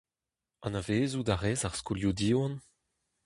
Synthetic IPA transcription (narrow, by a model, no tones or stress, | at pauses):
ɑ̃naveːzud̪aʁɛːzaʁskuljudiːwɑ̃n